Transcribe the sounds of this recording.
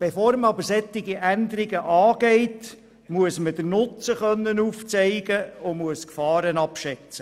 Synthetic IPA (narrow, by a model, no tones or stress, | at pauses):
b̥efoːɾməɑbəɾsɛt̪ːɪɡiʔænd̪əɾɪɡəʔɑːɡ̥ɛɪt | muəsməd̥̪əɾnʊt͡səχœnːənuːft͡sɛɪɡəʊmuəskfɑːɾənɑpʃɛt͡sə